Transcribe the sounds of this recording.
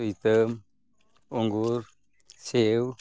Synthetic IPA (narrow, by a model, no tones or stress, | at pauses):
it̪əm | uŋɡuɾ | sew